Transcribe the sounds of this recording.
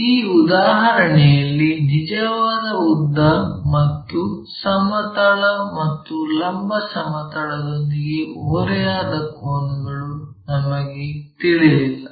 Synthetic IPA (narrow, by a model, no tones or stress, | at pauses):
iːud̪aːɦɐɾɐɳɛjɐlːinid͡ʒɐʋaːd̪ɐud̪ːɐmɐt̪ːu | sɐmɐt̪ɐɭɐmɐt̪ːulɐmbʱɐsɐmɐt̪ɐɭɐd̪o̞nd̪iɡe̞oːɾɛjaːd̪ɐkoːɳuɡɐɭunɐmːɐɡet̪iɭijilːɐ